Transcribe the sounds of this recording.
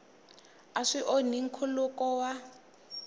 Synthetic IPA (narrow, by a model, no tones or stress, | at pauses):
aʂiʔoniŋ̩kʰulukɔwa